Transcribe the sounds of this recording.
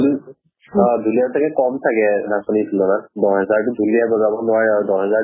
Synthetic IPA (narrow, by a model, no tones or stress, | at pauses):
l | duliatʰakɛkɔmtʰakɛnakɔnisʰunɔnadɔɦɛzaɹtuduliabɔzabɔnʊwaɹaɹudɔɦɛza